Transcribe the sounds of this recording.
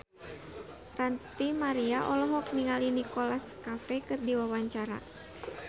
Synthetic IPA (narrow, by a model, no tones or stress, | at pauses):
rant̪imaɾiaʔɔlɔɦɔk̚niŋalinikolaskafɛkɨrdiwawaɲt͡ʃaɾa̰